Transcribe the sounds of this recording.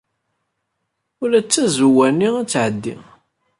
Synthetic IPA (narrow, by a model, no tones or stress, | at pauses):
ʊlæt͡sːæzuwænːiæt͡sːʕəd̪ːḭ